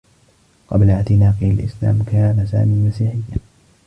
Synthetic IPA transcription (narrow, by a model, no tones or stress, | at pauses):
qɑblaʕt̪ɪnaːqialʔɪ̰sla̰ːmkaːnasa̰ːmiːmasiːħɪjːa